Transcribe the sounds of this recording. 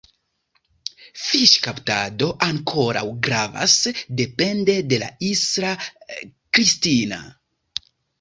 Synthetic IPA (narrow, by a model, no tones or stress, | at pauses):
fiʃkaptado̞ʔaŋkʰo̞ɾa̰wɡɾava̰sde̞pe̞nde̞de̞la̰isɾa | kɾistina̰